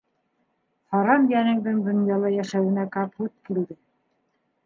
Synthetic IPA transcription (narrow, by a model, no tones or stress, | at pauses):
χɑɾɑmjænɘ̆ŋd̪ɘŋd̪ŏnjɑlˠɑjæʃæwɘ̆nækɑphʉt̪̚kild̪ɘ